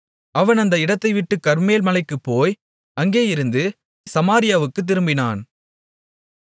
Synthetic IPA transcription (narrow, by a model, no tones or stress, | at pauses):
ɐʋɐnɐnd̪ɐɪɽɐt̪ːɐɪʋɪʈːɯkɐɾmeːlmɐlɐɪkːɯpːoːj | ɐŋɡeːjɪɾɯnd̪ɯ | sɐmaːɾɪjaːʋɯkːɯt̪̬ːɪɾɯmbɪnaːn